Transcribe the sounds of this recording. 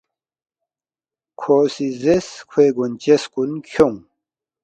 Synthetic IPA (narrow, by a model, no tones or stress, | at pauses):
kʰoːsizeskʰweɡunt͡ɕeskunkʰoŋ